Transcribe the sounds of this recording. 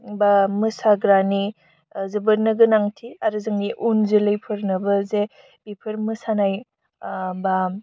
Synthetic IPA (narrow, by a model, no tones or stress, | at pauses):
bamɯsaɡɾani | zɯbɯɾnɯɡɯnaŋtʰiaɾɯzɯŋniʔunzelɯjpʰɯɾnɯbɐze | bipʰɯɾmɯsanaj | ba